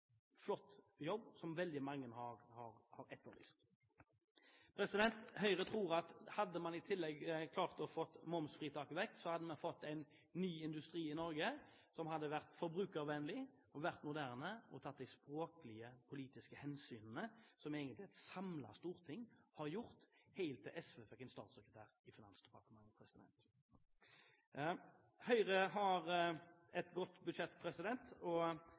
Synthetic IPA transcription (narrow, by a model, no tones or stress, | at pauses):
flɔt̪ː | jɔbːsɔmʋɛld̪ɪmɑŋːənhɑʁhɑɾhɑɾɛt̪ːəʁly̰ːst̪ | pʰɾɛsɪd̪ɛnt̪hœʏʁət̪ʰʁuːʁɑt̪hɑd̪ːəmɑnɪt̪ʰɪlːɛɡkʰlɑːʁt̪ɔfɔt̪ːmɔmsfʁiːt̪ʰɑːkʋɛk̚t̪sɔhɑd̪ːəmɛnfɔt̪ːæɪnː | yːɪnd̪ʉst̪ʁiːɪnɔɾɡə | sɔmhɑd̪ːəʋæʁt̪fɔɾbɾʉːkəʁʋɛnlɪ | ɔʋæʁt̪mʊd̪æʁnəʔɔt̪ʰɑt̪̚ːd̪ɪspɾoːkəlɪəpʰʊliːt̪ɪskəhɛnsyːnənəsɔmeːɡənt̪lɪɛt̪sɑmlɑ̰st̪uːʁt̪ʰɪŋːhɑʁjʊʁt̪hæɪlt̪ʰːɪlʔɛsʋefɛkːɪnst̪ɑ̰ːt̪sɛkət̪ʰæːʁɪfɪnɑnsd̪̥ɛpɑʁt̪əmɑŋːəpʰɾɛsɪd̪ɛ̰nt̪ | hœʏʁəɦɑɾɛt̪ɡɔt̪ːbʉd̪ʃɛt̪ːpʰɾɛsɪd̪ɛnt̪ɔ